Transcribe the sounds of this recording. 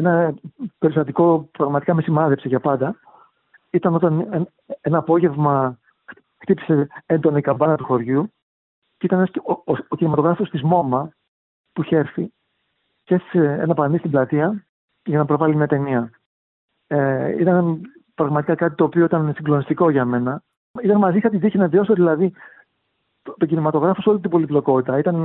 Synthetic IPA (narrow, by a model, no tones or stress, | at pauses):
enɐpe̞ɾist̪ɐt̪iko̞pɾɐɣmɐt̪i̥kɐme̞simɐðe̞pseʝɐpɐnd̪ɐ | it̪ɐno̞t̪ɐnn | enɐːpo̞ʝe̞vmɐ | xt̪ipi̥se̞e̞nd̪o̞nikɐbɐnɐt̪uxo̞ɾʝu | ceit̪ɐnenɐsocinimɐt̪o̞ɣɾɐfo̞st̪izmo̞mɐ | puçe̞ɾθi | cesseenɐpɐnist̪iblɐt̪iɐ | ʝɐnɐpɾo̞vɐlimiɐt̪e̞niɐ | eḭt̪ɐn | pɾɐɣmɐt̪ikɐkɐt̪it̪o̞ːpio̞it̪ɐnsiŋɡlo̞nist̪iko̞ʝɐme̞nɐ | it̪ɐnmɐzixɐt̪iðiçinɐðio̞soðilɐði | t̪ocinimɐt̪o̞ɣɾɐfo̞so̞lit̪ibo̞liblo̞ko̞t̪it̪ɐit̪ɐn